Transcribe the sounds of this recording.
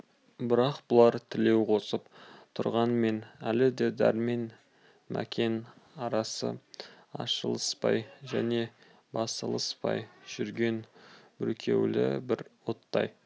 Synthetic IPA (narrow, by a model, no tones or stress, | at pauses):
bɪɾɑqbʊlˠɑɾt̪ʰɪle̞wqʰo̞səpt̪ʰʊɾʁɑnme̞nælɪd̪e̞d̪æɾme̞n | mʔæ̰kʲʰe̞n | ɑɾɑsə̰ | ɑ̰ʃəlˠəspɑ̰jʒæne̞ | bɑst̪ə̰lˠəspɑ̰jʒ̥ʏɾɡʲe̞nbʏ̰lkʲʰe̞̰wlɪ̰bɪɾwo̞t̪ːɑ̰j